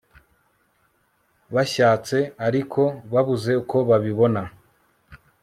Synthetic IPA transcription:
βaʃaːt͡se̞aɾikʰo̞βaβuze̞uko̞βaβiβo̞na

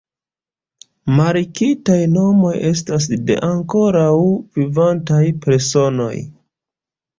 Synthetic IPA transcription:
maɾikitajno̞mo̞je̞s̬tas̬de̞̰ʔaŋko̞ɾawvivantajpe̞ɾso̞no̞̰j

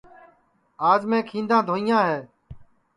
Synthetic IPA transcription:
aːd͡ʒmẽːkʰĩːnd̪ãːd̪ʱoːijãːɦeː

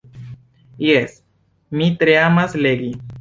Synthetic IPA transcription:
jes | mit̪ɾeamasleɡi

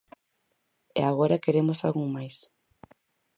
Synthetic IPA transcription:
ḛaɣoɾakeɾemosalɣuŋmajs

